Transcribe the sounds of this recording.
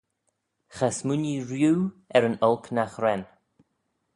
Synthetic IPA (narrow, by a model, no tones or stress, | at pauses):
xasmunʲiɹjuːɛɾənɔlknaxɾɛn